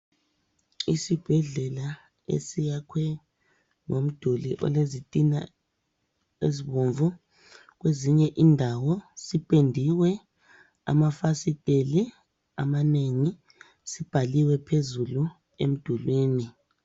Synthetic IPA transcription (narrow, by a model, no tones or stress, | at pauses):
isib̥ʱɛɮɛla | ḛsijakʰwɛ | ŋom̩d̥ʱuliʔɔ̰lezitʼina̰ | eziβoɱvu | ɣ̬weziɲɛʔindʱawɔsipʼendʱiwɛ | a̰mafasitʼeli | a̰maneŋi | sib̥ʱaliwɛpʰezulu | ḛm̩d̥ʱulwiːni